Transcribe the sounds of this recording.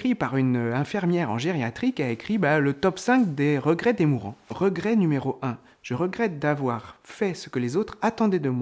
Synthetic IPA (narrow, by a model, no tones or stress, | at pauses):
χipaʁynɛ̃fiʁmjɛʁɑ̰̃ʒeʁjat̪χikaekχibalət̪ɔpsɛ̃kd̪eʁəɡʁɛd̪emuʁɑ̃ʁəɡʁɛnymeʁoʔɛ̃ | ʒ̥əʁəɡʁɛt̪̚d̪avwaʁfɛsə̥kəlezot̪χat̪ɑ̃d̪ɛd̪əmwa